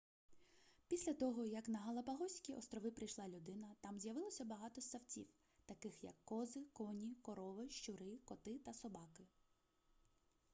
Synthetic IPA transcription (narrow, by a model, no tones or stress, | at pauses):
pʲisʲlʲɐt̪ɔɦɔjɐknɐɦɐlˠɐpɐɦɔsʲkʲiʔɔ̰st̪ɾɔʋɪpɾɪjʃlˠɑlʲʊd̪ɪnɐt̪ɑmzʲjɐʋɪlˠɔsʲɐbɐɦɑt̪ɔst̪ɐwt͡sʲḭw | t̪ɐkɪxjɐ̰kːɔzɪkɔnʲikɔɾɔʋɪʃt͡ʃʊɾɪkɔt̪ɪt̪ɐsɔbɑkɪ